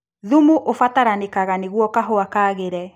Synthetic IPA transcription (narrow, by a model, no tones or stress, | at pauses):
ðumuʔofataɾanekaɣaneɣwɔkaɦoakaːɣeɾɛ